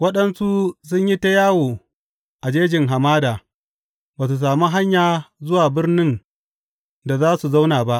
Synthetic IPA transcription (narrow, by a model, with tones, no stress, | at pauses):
wɐ˦ɗɐ˨nsu˦s̬ʊ˦ɲji˦ta˦jaː˦woː˨ | ʔa˨d͡ʒeː˦d͡ʒɪ˨ŋɦa˨maː˦daː˨ | baː˨s̬u˨s̬aː˨mu˦ɦa˦ɲjaː˨zʊ˦waː˨bɪ˦rnɪ˦n | da˨zaː˦su˨za˦wnaː˨ba˦ʔ